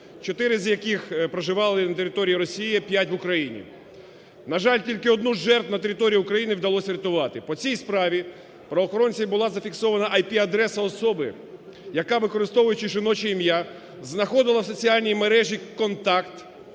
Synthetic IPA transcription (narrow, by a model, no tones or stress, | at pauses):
t͡ʃɔt̪ɪɾɪzʲjɐkɪxpɾɔʒɪʋɑlˠɪnɐt̪eɾʲɪt̪ɔɾʲijiɾɔsʲijipʲjatʲʋʊkɾɐjinʲḭ | nɐʒɑlʲtʲilʲkɪɔd̪nuʒɛrt̪nɐt̪eɾʲɪt̪ɔɾʲijiʊkɾɐjinɪwd̪ɐlˠɔsʲɾʲɪt̪ʊʋɑt̪ɪpɔt͡sʲijspɾɑʋʲi | pɾɔʋɔːxɔɾɔnʲt͡sʲijbʊlˠɑzɐfʲiksɔʋɐnɐʔɐjpʲiɐd̪ɾɛsɐɔsɔbɪ | jɐkɑʋɪkɔɾɪst̪ɔʋʊjʊt͡ʃɪʒɪnɔt͡ʃiimja | znɐxɔd̪ɪlˠɐwsɔt͡sʲiɑlʲnʲijmeɾɛʒʲikɔnt̪ɑkt̪